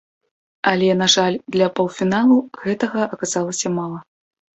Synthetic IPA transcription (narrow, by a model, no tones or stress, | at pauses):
ɐlʲɛnaʐalʲd̪lʲɐpɐwfʲinalˠuɣɛt̪ɐɣɐʔɐkazalˠɐsʲɐmalˠɐ